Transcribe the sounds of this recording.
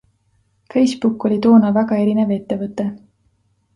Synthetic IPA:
fe̞jsb̥ukːˑo̞lʲit̪o̞ːnɑvæɡɑe̞ɾine̞ve̞t̪ˑːe̞vɤt̪ˑːe̞

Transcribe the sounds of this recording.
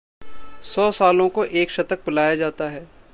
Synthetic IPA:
sɔːsaːlõkoʔeːkʃɐt̪ək̚bʊlaːjad͡ʒaːt̪aɦɛː

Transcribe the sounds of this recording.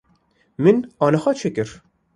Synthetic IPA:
mɨnɑːnɛxɑt͡ʃʰekɨɾ

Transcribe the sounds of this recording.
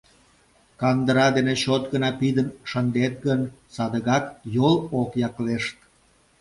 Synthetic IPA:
kɑnd̪əɾɑd̪eneɕot̪̚ɡənɑpid̪ənʃənd̪et̪̚ɡənsɑd̪əɣɑkjolokjɑkleʃt̪̚

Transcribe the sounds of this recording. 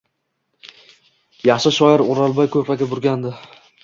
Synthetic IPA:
jɑχʃɪʃɒɪɾʊɾalˠbɒjkʰɵpaɡʲabʊɾɡʲand̪ɪ

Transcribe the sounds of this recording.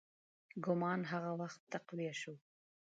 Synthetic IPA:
ɡʊmɑːnɦaɣawaxt̪ːaqlijaʃu

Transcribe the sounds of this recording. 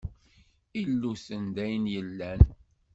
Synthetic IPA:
ilːusənd̪æjnjəlːæn

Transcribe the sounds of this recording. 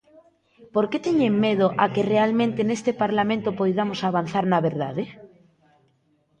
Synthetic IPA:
poɾket̪eɲeŋmeð̞oʔakerealmẽnt̪enest̪epaɾlamẽnt̪opojðamosaβanθaɾnaβeɾða̰ðe

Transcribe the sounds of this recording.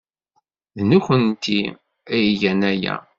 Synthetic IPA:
ðnuçənt̪i | æjʝænæjæ̰

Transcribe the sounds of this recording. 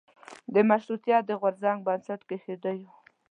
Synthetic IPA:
d̪əmaʃɾut̪jɑd̪əɣʊɾzaŋɡ̚bansaʈ̪kexed̪əju

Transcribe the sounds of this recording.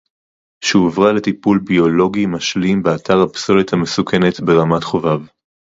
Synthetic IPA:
ʃeovʁale̞tipulbio̞lo̞ɡimaʃlimbeatʰaʁhapso̞lethame̞sukʰe̞ne̞tbe̞ʁamatχo̞vav

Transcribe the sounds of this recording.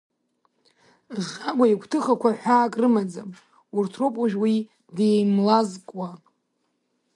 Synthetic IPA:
ʁʲaɡʷaikʷʰtʰɨχakʷʰaħʷaːkʼrɨmad͡zam | urtʰropʼuʒᶣwi | dejmlazkʼwa

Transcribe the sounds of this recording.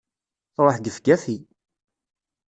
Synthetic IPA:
ɾˤəħɡ̪əfɡæfi

